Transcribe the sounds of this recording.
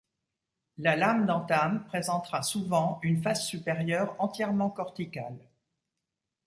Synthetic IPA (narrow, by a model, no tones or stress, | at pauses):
lalamd̪ɑ̃t̪ampχezɑ̃t̪χasuvɑ̃ynfasːypeʁjœʁɑ̃t̪jɛʁmɑ̃kɔʁt̪ikal